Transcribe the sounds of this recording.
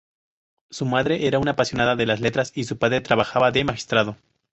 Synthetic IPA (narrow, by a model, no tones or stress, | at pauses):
sumaðɾe̞ʔeɾaunaːpasjo̞naðaðe̞lazle̞t̪ɾasisupaðɾe̞t̪ɾaβaxaβaðemaxi̥st̪ɾað̞o̞